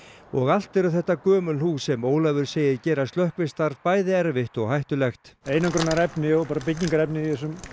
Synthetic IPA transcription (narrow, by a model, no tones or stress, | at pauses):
ɔɣal̥t̪ɛɾʏθɛht̪ːakœːmʏnhuːsɛmoːwlavʏɾ̥seːjɪcɛːɾast̪lœhkvɪst̪aɾpaːjðɪɛɾvɪht̪ɔɣɦajht̪ʏlɛxt̪eːjnakɾœnːaɾɛpnɪɔɣpaːɾapɪc̬niŋkaɾɛpnɪiθɛs̬ʏm